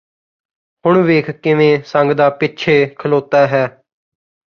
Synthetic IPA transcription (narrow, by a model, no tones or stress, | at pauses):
hʊɳʋeːkʰkɪʋẽːsə̃ŋɡd̪aːpɪt͡ʃʰeːkʰəloːt̪aːɦɛː